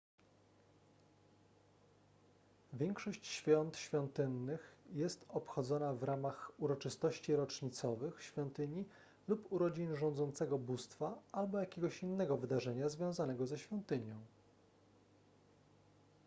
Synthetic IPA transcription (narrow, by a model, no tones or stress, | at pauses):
vʲjɛŋkʂɔɕt͡ɕɕfʲjɔnt̪ɕfʲjɔnt̪ɘnːɘxjɛst̪ɔpxɔd̪zɔnavɾamaxuɾɔt͡ʂɘst̪ɔɕt͡ɕiɾɔt͡ʂɲit̪sɔvɘxɕfʲjɔnt̪ɘɲi | lupuɾɔd͡ʑinʐɔ̃nd̪zɔnt̪sɛɡɔbust̪faalbɔjakʲeɡɔɕinːɛɡɔvɘd̪aʐɛɲazvʲjɔ̃w̃zanɛɡɔzɛɕfʲjɔnt̪ɘɲɔ̃w̃